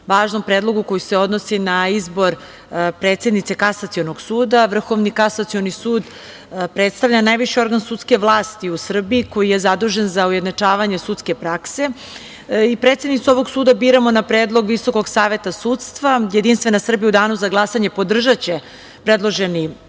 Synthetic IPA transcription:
ʋaːʒnompɾeːd̪lˠo̞ɡukojuse̞o̞d̪no̞sinaizbo̞ɾ | pɾe̞ːt̪se̞d̪nit̪se̞kasat̪sio̞no̞ɡsuːd̪aʋr̩xo̞ʋnikasat̪sio̞nisuːd̪ | pɾet̪st̪aʋʎʲanajʋiʃio̞ɾɡansut̪ske̞ʋlˠaːst̪iusr̩biːko̞jijezad̪uʒe̞nzaujed̪nat͡ʂaːʋaɲe̞sut̪ske̞pɾakse̞ | ipɾet̪sjed̪nit̪suo̞ʋo̞ɡsuːd̪abiːɾamo̞napɾeːd̪lˠo̞ɡʋiso̞ko̞ɡsaːʋe̞t̪asuːt̪st̪ʋaje̞d̪inst̪ʋe̞nasr̩biud̪aːnuzaɡlˠasaɲe̞po̞d̪r̩ʒat͡ɕe̞ | pɾe̞d̪lˠoʒeni

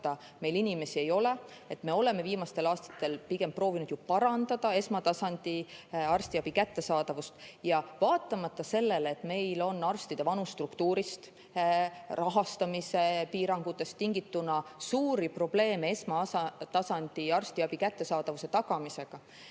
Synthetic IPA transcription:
t̪ɑ | me̞jlinʲime̞sie̞jo̞le | e̞t̪me̞o̞le̞me̞viːmɑst̪e̞lɑːst̪ɑ̥t̪ːˑe̞lpiɡ̥e̞mpːro̞ːvinud̪jupɑɾɑnd̪̥ɑd̪̥ɑe̞smɑt̪ɑsɑnʲd̪̥iɑrst̪iɑb̥ikæt̪ːe̞sɑːd̪ɑvust̪jɑvɑːt̪ˑːɑmɑt̪ˑːɑse̞lːelet̪me̞jlo̞nːɑrst̪id̪̥evɑnust̪rukt̪uːɾist̪ | rʔɑɦɑst̪ɑmise̞piːɾɑŋɡ̥ut̪ːˑe̞st̪ːiŋɡit̪ːunɑsuːɾipro̞b̥le̞ːmeesmɑɑt̪ɑsɑnʲd̪̥iɑrst̪iɑb̥ikæt̪ːe̞sɑːd̪̥ɑvuse̞t̪ɑɡɑmise̞ɡ̥ɑ

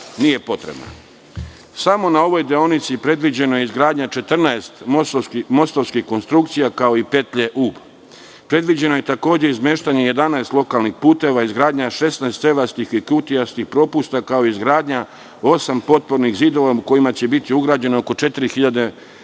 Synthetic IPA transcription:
nije̞po̞t̪ɾḛbna̰ | samo̞nao̞ʋo̞jd̪eonit̪sipɾe̞d̪ʋid͡ʑe̞no̞jeizɡɾaːd̪ɲat͡ʃe̞t̪r̩naest̪mososkmo̞st̪oʋskixko̞nst̪ɾukt̪sijakao̞ipet̪ʎe̞ʔuːb | pɾe̞d̪ʋid͡ʑe̞no̞je̞t̪ako̞ːd͡ʑe̞izmʲeːʃt̪aɲe̞je̞d̪anaest̪lˠo̞kaːlnixpuːt̪e̞ʋaizɡɾaːd̪ɲaʃe̞snaest̪seʋast̪ixikut̪ijast̪ixpɾo̞pust̪akao̞izɡɾaːd̪ɲa | o̞sampo̞t̪̚po̞ɾnixziːd̪o̞ʋauko̞jimat͡ɕe̞bit̪iuɡɾaːd͡ʑe̞nooko̞t͡ʃe̞t̪iɾixiʎad̪e

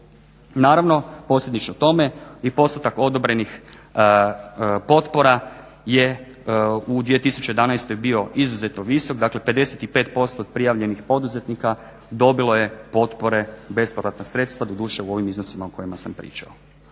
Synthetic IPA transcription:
naːɾaʋno̞po̞slʲjed̪nit͡ʃnot̪o̞me̞ipo̞st̪ut̪ako̞d̪o̞bɾe̞nix | po̞t̪po̞ɾa | je | ud̪ʋije̞t̪isu̥t͡ɕejed̪anajst̪ojbio̞izuze̞t̪noʋiso̞kd̪akle̞pe̞d̪e̞set̪ipet̪po̞st̪oːd̪̚pɾijaʋʎe̞nixpo̞d̪uze̞t̪nika | d̪o̞bilˠo̞je̞po̞t̪po̞ɾe̞be̞spoɾat̪nasɾe̞t̪st̪ʋad̪od̪uːʃe̞uo̞ʋimizno̞simaoko̞jimasampɾḭːt͡ʃa̰o

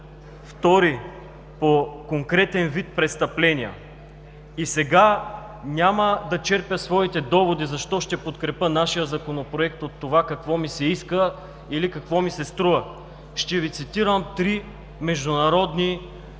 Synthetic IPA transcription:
ft̪ɔɾi | pokoŋkɾɛt̪ɛnvit̪̚pɾɛt̪st̪ɐplɛniə̰ | isɛɡa | nʲaməd̪ɐt͡ʃɛɾpjəsvɔit̪ɛd̪ɔvod̪izɐʃt̪ɔʃt̪ɛpot̪kɾɛpənaʃijəzɐkonopɾoɛkt̪ot̪ːovakɐkvɔmisɛiskə | ilikɐkvɔmisɛst̪ɾuə | ʃt̪ɛvit̪sit̪iɾəmt̪ɾi | mɛʒd̪ʊnɐɾɔd̪ni

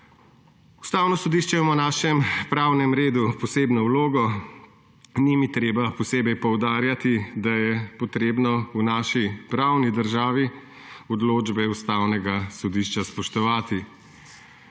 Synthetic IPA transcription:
u̥st̪aːwnɔsɔd̪iːʃt͡ʃɛmɔnaːʃɛmpɾaːwnɛmɾeːd̪upɔseːbnɔwloːɡɔ | nimit̪ɾeːbapɔseːbɛjpɔwd̪aːɾjat̪id̪ajɛpɔt̪ɾeːbnɔunaːʃipɾaːwnid̪əɾʒaːʋi | ɔd̪loːd͡ʒbɛust̪aːwnɛɡasɔd̪iːʃt͡ʃaspɔʃt̪ɔʋaːt̪i

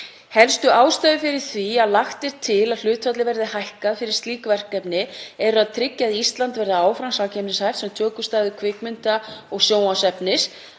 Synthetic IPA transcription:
hɛlst̪ʏaːwst̪ajðʏfɪɾɪɾ̥θviaðlaxt̪ɛɾ̥t̪ʰɪlaðl̥ʏːt̪fat̪lɪvɛɾðɪhajhkaðfɪɾɪɾ̥st̪liːkvɛr̥kɛpnɪɛɾʏaðt̪ʰɾɪcːaðist̪lant̪vɛɾðɪaːwfɾansaːcʰɛmnɪshajft̪sɛmt̪ʰœːkʏst̪ajðʏkʰvɪkmʏnt̪aɔɣsjoːwasɛpnɪs

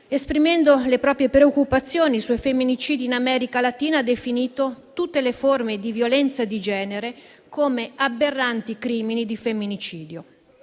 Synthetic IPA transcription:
espɾimɛnd̪olepɾɔːpɾjepɾeokːupat̪sːjoːniswɔjfemːinit͡ʃiːd̪iːnamɛːɾikalat̪iːnaad̪efiniːt̪ot̪ut̪ːeleformed̪ivjolɛnt̪sad̪id͡ʒɛːneɾe | koːmeaberːant̪ikɾiːminid̪ifemːinit͡ʃiːd̪jo

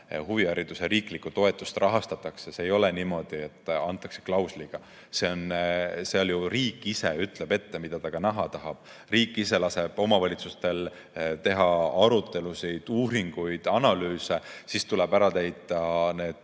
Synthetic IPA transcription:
huviɑɾid̪̥useɾiːklikːˑut̪o̞e̞t̪ːˑust̪rɑɦɑst̪ɑt̪ːˑɑkseseːjo̞leniːmo̞d̪̥ie̞t̪ːˑɑnt̪ːˑɑkse̥klɑwsliɡ̥ɑ | se̞onse̞o̞ljuriːkˑːise̞yt̪le̞b̥e̞t̪ːe̞mid̪̥ɑd̪ɑkɑnæɦɑt̪ɑɦɑb̥ | riːkːˑise̞lɑse̞b̥o̞mɑvɑlʲit̪sust̪e̞l | t̪e̞ɦɑɑɾut̪ːˑe̞lusijd̪̥uːɾiŋɡ̥ujd̪̥ɑnɑlyːse̞sist̪ulebæɾɑt̪e̞jt̪ːˑɑne̞ːd̪̥

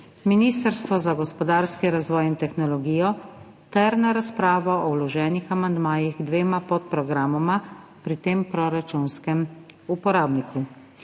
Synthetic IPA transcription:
miniːst̪əɾst̪ʋɔzaɡɔspɔd̪aːɾskiɾazʋɔːjint̪ɛxnɔlɔɡiːjɔ | t̪ɛɾnaɾaspɾaːʋɔʔɔwlɔʒɛːnixamand̪maːjiɣɡd̪ʋeːmapɔt̪̚pɾɔɡɾaːmɔmapɾit̪eːmpɾɔɾat͡ʃunskɛmupɔɾaːbnikʰu

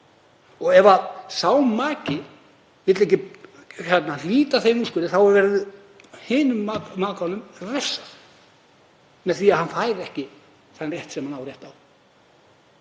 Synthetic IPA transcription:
ɔɣɛvasaːwmmaːcɪ | vɪt̪lehcːɪ | kʰvɛt̪naliːt̪aθejnuskʏɾɪθawʏɾvɛɾðʏ | heːnʏmːamaːkaɔnːʏmresːḁθ | mɛðθiːaðhanfaːjɾɛhcɪ | θanrjɛht̪sɛmhanaːwrjɛht̪aw

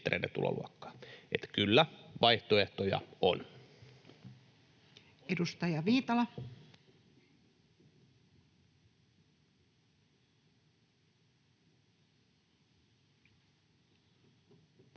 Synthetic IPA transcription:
t̪rḛˑidḛt̪ṵlo̰lʔṵɑkːɑ̥ːet̪kylːæʋɑiht̪oeht̪ojɑ̰o̰n | edust̪ɑjɑʋiːt̪ɑlɑ

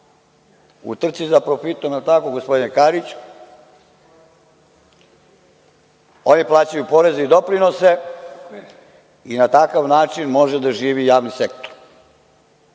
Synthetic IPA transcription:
ṵt̪r̩t̪sizapɾo̞fit̪omnat̪akoɡospo̞d̪inekaɾit͡ɕ | o̞niplˠaːt͡ɕajupo̞ɾe̞zeid̪o̞pɾinose̞ | inat̪akaʋnaːt͡ʃinmo̞ʒed̪aʒiːʋijaːʋnisekt̪oɾ

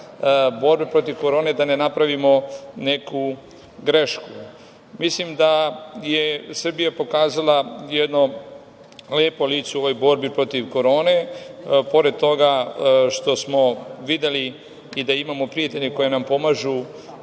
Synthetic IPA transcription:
bo̞ɾbepɾo̞t̪iʋko̞ɾo̞ːne̞d̪ane̞napɾaʋimo̞ne̞ku | ɡɾe̞ʃku | mislimd̪ajesr̩bijapo̞kaːzalˠajed̪no̞ | leːpoliːt̪seo̞ʋo̞jbo̞ɾbipɾo̞t̪iʋko̞ɾo̞ːne̞po̞ɾed̪̚t̪o̞ɡaʃt̪o̞smo̞ʋid̪eli | id̪aimamo̞pɾijat̪e̞ʎeko̞jenampo̞maʒu

